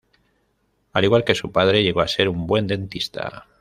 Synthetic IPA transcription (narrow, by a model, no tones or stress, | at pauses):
aliɣwalke̞supað̞ɾe̞ʎe̞ɣo̞ase̞ɾumbwe̞nd̪e̞nt̪ist̪a̰